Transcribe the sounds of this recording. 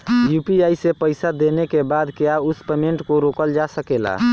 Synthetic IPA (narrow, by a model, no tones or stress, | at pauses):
jupiaisepəɪsad̪enekebad̪keaʊspemẽɳʈkoɾokəld͡ʒasəkela̰